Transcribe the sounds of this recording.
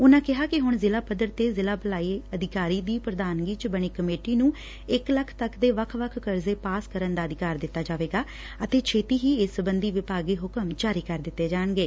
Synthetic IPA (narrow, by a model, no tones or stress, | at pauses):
ʊnãːkɪɦaːkɪɦʊɳzɪlaːpəd̪əɾt̪eːzɪlaːbəlaːiːəd̪ʱɪkaːɾiːd̪iːpɾəd̪aːnɡiːt͡ʃbəɳ̃iːkəmeːʈiːnũː | ɪkləkʰt̪əkd̪eːʋəkʰʋəkʰkəɾzeːpaːskəɾənd̪aːəd̪ɪkaːɾd̪ɪt̪ːaːd͡ʒaːʋeːɡaː | ət̪eːt͡ʃʰeːt̪iːɦiːɪsəbənd̪iːʋɪpaːɡiːɦʊkəmd͡ʒaːɾiːkəɾd̪ɪt̪ːeːd͡ʒaːəɳɡeː